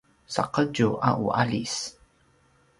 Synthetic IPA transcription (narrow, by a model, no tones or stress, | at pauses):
sa̰qəd͡ʒuʔaʔuʔalis